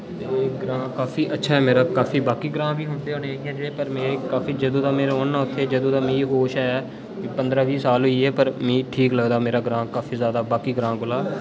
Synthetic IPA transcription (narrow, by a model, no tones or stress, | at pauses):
t̪eɡɾãːkaːfʰiːʔətːʃʰaːɛːmeːɾaːkaːfʰiːbaːkiːɡɾãːbiːɦʊːɳd̪eːɦoːneːaːiãːd͡ʒeːɽeːpəɾmeːekaːfiːd͡ʒəd̪õːt̪ãːmeːɾoːnːãːʊt̪ʰːeːd͡ʒəd̪ũːt̪ãːmĩːɦoːʃɛː | kːpə̃nd̪ɾaːʋiːsaːlɦʊiːɛːpəɾmĩːʈʰiːkləɡd̪aːmeːɾaːɡɾãːkaːfʰiːzjaːd̪aːbaːkiːɡɾãːɡʊlaː